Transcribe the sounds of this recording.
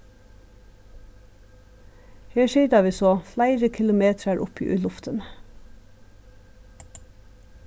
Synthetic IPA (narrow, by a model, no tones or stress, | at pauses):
heːʃiːd̪ɑːʋiːsoːflæɪɾəkʰɪlʊmeːt̪ʰɾəɾʔʊ̰pʰḭːʔʉ̰ːlʊft̪ʰən